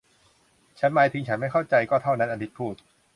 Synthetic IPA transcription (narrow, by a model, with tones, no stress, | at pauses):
t͡ɕʰa˦˥nmaː˧jt̪ʰi˧ŋt͡ɕʰa˦˥nma˥˩jkʰa˥˩wt͡ɕa˧jkɔː˥˩t̪ʰa˥˩wna˦˥nʔa˧t̪ʰi˦˥t̪̚pʰuː˥˩t̪̚